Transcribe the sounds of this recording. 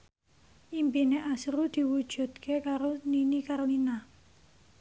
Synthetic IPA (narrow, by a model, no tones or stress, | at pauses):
ʔimpineʔasɾud̪̥i̤wud̥ʒ̥ṳd̪kʰekaɾoninikaɾolina